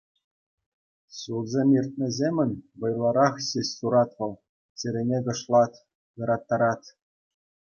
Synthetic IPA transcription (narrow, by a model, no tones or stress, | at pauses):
ɕulˠzʲemʲirʲt̪̚nʲɘ̆zʲemʲɘ̆nʲʋɤ̆jlˠɑɾɑχɕeɕʲsuɾɑt̪ʋɤ̆lˠ | t͡ɕɘ̆ɾʲɘ̆nʲeɡɤ̆ʂlˠɑt̪ | jɤ̆ɾɑt̪ːɑɾɑt̪ʲ